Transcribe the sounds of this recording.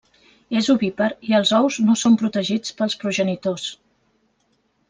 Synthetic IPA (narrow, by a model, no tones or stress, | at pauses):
ezuβipəɾiəlˠzɔwznosompɾut̪əʒit͡spəlˠspɾuʒənit̪os